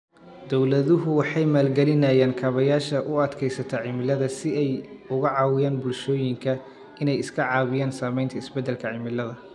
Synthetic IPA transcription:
d̪ɔwlɐðʊɦʊwɑħɑjmaːlɡɛlɪnɐjaːnkʰɐβɐjaːʃɐʔʊɐd̪kʰɛjsɐt̪ʰɐʕɪmɪlɐðɐsɪɛjʊɣɐʕɑːwɪjaːnbʊlʃɔːjɪŋkʰɐ | ɪnɛjɪskʰɐʕɑːwɪjaːnsaːmɛjnt̪ʰɐɪsbɛd̪ːɛlkʰɐʕɪmɪlɐðɐ

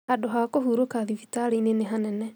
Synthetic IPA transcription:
hadoɦakoɦuːɾokaðifitaɾineneɦanɛnɛ

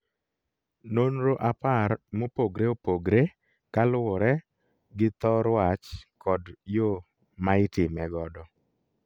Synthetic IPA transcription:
nonɾoʔaparmopoɡɾeopoɡɾe | kalɔɾɛ | ɡɪt̪ɔɾwat͡ʃkɔdjo | maɪtɪmɛɡɔdɔ

